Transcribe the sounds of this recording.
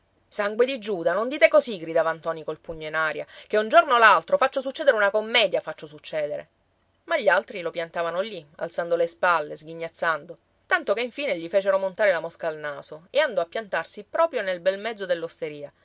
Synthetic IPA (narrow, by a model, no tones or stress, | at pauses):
saŋɡwed̪id͡ʒuːd̪anond̪iːt̪ekosiɡɾid̪aːvant̪ɔːnikolpuɲːoinaːɾja̰k̟eund͡ʒornolalt̪ɾofat͡ʃːos̬ut͡ʃːɛːd̪eɾeunakomːɛːd̪jafat͡ʃːosut͡ʃːɛːd̪eɾḛ | maʎːialt̪ɾilopjant̪aːvanolia̰lsand̪olespalːezɡiɲːat̪sːand̪o | t̪ant̪okeiɱfiːneʎifeːt͡ʃeɾomont̪aːɾelamoskaːlnaːsoeand̪ɔapːjant̪arsipɾɔːpɾjonelbɛlmɛd̪zːod̪elːost̪eɾiːa